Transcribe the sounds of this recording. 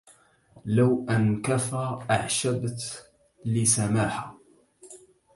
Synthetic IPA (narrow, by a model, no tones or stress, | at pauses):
lawʔankafaʔaʕʃabt̪ | lɪsamaːħa